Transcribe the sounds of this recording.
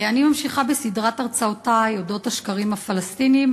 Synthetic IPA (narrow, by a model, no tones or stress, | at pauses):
animamʃiχabesidʁataʁt͡saotajodo̞thaʃkaʁimafalast̪inim